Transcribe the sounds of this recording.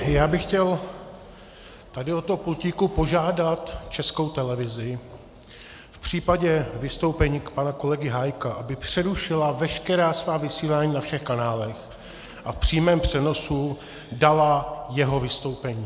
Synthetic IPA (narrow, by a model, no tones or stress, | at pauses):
jaːbɪxcɛl | t̪adɪot̪oɦopulciːkupo̞ʒaːdat̪t͡ʃɛsko̞wt̪ɛlɛvɪzɪ | fpr̝̥iːpaɟɛvɪst̪o̞wpɛɲiːkpanako̞lɛɡɪɦajkaʔabɪpr̝̥ɛɾuʃɪlavɛʃkɛɾaːsvaːvɪsiːlaːɲiːnafʃɛxkanaːlɛx | ʔafpr̝̥iːmɛːmpr̝̥ɛno̞su | dalajɛɦo̞vɪst̪o̞wpɛɲiː